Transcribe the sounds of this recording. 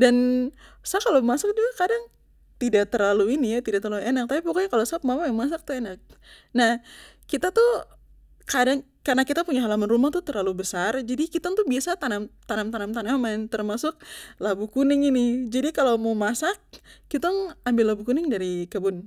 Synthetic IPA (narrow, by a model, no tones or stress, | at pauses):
dansakːalomasʊk̚d͡ʒuɡakadaŋ | t̪idaʔ̚t̪ərlaluinijat̪idaʔt̪ərlauenak̚t̪apipukaɲakalosap̚mamajaŋmas̬ak̚t̪uenak̚nahkit̪at̪u | kadaŋ | karnakit̪apuɲaɦalamanrumaht̪ut̪ərlalubəsard͡ʒadikit̪aŋt̪ubiasat̪anamt̪anamt̪anamt̪anamant̪ərmasʊk̚labukunɪŋinɪd͡ʒadikalowmomasak̚ːit̪aŋambɪlːabukunɪŋdaɾikəbʊn